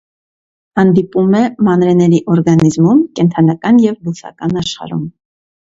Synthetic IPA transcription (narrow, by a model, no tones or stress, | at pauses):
hɑnd̪ipumɛmɑnɾɛnɛɾiʔɔɾɡɑnizmumkɛnt̪ʰɑnɑkɑnjɛvlusʰɑ̰kɑnɑʃχɑ̰ɾṵm